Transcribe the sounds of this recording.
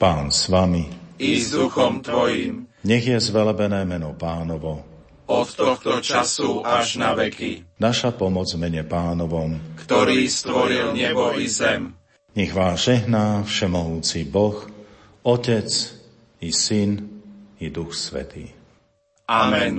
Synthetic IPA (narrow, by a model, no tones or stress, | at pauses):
paːnsʋamiid̪uxɔmt̪ʋɔjḭːmɲɛɣjɛzʋɛlɛbɛnɛːmɛnɔpaːnɔʋɔ | ɔt̪t̪ɔxt̪ɔt͡ʃasuʔaʒnaʋɛkinaʃapɔmɔd͡zmɛɲɛpaːnɔʋɔmkt̪ɔɾiːst̪ʋɔɾilɲɛbɔizɛm | ɲɛɣʋaːʒɛɦnaːfʃɛmɔɦuːt͡sibɔx | ɔcɛt͡s | isinid̪uxsʋɛ̰t̪ḭː | amɛn